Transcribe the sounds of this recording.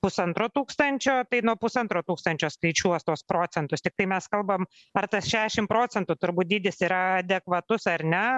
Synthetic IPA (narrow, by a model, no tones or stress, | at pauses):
pʊsɐnt̪ɾoːt̪uːkst̪ɐnʲt͡ʃʲoːt̪ɐɪnuɔpʊsɐnt̪ɾoːt̪uːkst̪ɐnʲt͡ʃʲoːskɐɪt͡ʃʲuɔst̪oːspɾoːt͡ssʲɛnt̪ʊst̪ʲɪk̚t̪ɐɪmʲɛskɐlˠbɐm | ɐrt̪ɐsʃʲæːʃʲɪmpɾoːt͡s̪ʲɛnt̪ʊt̪ʊɾbuːt̪̚d̪ʲɪːd̪ʲɪsiɾɐɐd̪ʲɛkʋɐt̪ʊsɐɾnʲɛ